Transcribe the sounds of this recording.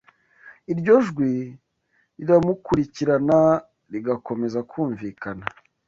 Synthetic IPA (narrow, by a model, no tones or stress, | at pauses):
iɾɟo̞ʒɡwi | ɾiɾamukuɾiciɾana | ɾiɡako̞me̞zakʰuːɱviːkana